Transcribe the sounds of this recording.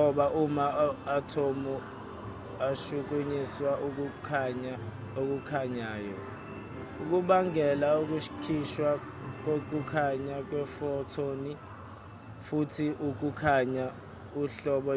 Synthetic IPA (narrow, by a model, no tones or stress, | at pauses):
ɔɓaʔumaatʰomu | aʃuk̬uɲiswaʔuk̬ukʰaɲa | ok̬ukʰaɲaːjɔ | uk̬uɓaŋɛlauk̬uʃkʰiʃwa | k̬ok̬ʼukʰaɲak̬wɛfɔtʰoni | futʰiʔuk̬ukʰaɲa | uɬɔɓɔ